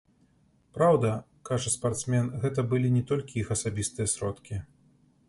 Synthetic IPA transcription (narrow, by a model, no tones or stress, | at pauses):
pɾawd̪ɐ | kaʐɐspart̪smʲɛnɣɛt̪ɐbɨlʲinʲɛt̪ɔlʲkʲijixɐsabʲist̪ɨjɐsɾɔt̪kʲi